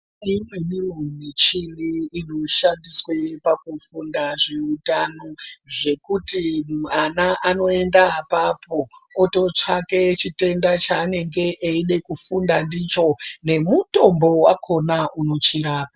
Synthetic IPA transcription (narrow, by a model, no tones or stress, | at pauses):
imweminomit͡ʃiniːno̞ʃandiswepakufundaʐeutano̞ʐe̞kutimanaʔano̞e̞ndaːpapʰo̞ːto̞t͡ʂake̞t͡ʃite̞ndat͡ʃaːne̞ŋɡe̞ʔeiɗe̞kufundandit͡ʃo̞ne̞muto̞mbo̞wakʰo̞nauno̞t͡ʃiɾaːpa